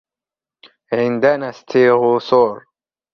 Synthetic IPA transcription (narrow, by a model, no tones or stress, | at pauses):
ʕɪnd̪anast̪ʰiːɣʊsoːɾ